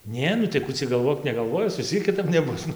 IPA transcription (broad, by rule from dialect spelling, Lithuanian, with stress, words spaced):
ˈnʲeː nʊ tɐɪ ˈkuː t͡sʲɛ ɡɐlˠˈʋoːk nʲɛɡɐlˠˈʋoːjɪs ʋʲɪs ˈt͡sʲiɛk kʲɪˈtɐp nʲɛˈbʊs ˈnʊ